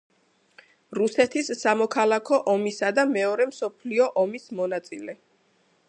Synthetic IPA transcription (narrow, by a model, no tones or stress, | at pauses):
ɾusɛt̪ʰisːamɔkʰalˠakʰɔʔɔmisad̪amɛɔɾɛmsɔpʰliɔʔɔmismɔnat̪sʼilɛ